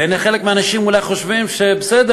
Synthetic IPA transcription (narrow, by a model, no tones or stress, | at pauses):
ejnaχelekmeanaʃimulajχo̞ʃvimʃebesed̪e